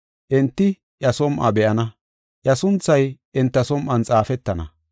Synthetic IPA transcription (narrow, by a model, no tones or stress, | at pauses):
ʔɪnt̪ːɪ | ʔjɐsɔmʔɐ̰bɛʔɐnɐ | ʔjɐsʊnt͡sːɐjʔɪnt̪ːɐsɔmʔɐnt͡sʼaːfɛt̪ːɐnɐ̰